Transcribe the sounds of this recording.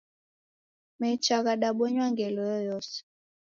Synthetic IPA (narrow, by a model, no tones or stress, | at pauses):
mɛt͡ʃaɣaɗaɓɔɲwaŋɡɛlɔjɔjɔs